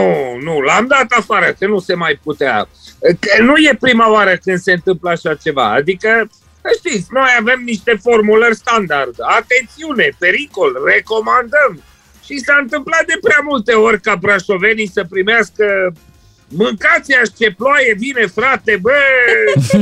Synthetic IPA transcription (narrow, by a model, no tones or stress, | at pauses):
unulamd̪at̪afaɾəkənuse̞majput̪ea̰kənuje̞pɾimaoaɾəkɨnd̪se̞ɨnt̪ɨmpləaʃat͡ʃe̞va̰a̰d̪ikə | əʃt̪it̪sʲno̞jave̞mniʃt̪e̞fo̞rmulərʲst̪and̪ard̪at̪e̞nt̪siune̞pe̞ɾiko̞lre̞ko̞mand̪əm | ʃisaɨnt̪ɨmplat̪̚d̪e̞pɾeamult̪e̞o̞rʲkabɾaʃo̞ve̞nijsəpɾimeaskə | mɨŋkat̪siaʃt͡ʃe̞ploaje̞vine̞fɾat̪e̞bə